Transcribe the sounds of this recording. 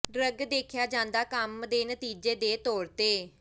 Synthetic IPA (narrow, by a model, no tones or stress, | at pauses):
ɖɾəɡd̪eːkʰjaːd͡ʒãːnd̪aːkəmd̪eːnət̪iːd͡ʒeːd̪eːt̪oːɽt̪eː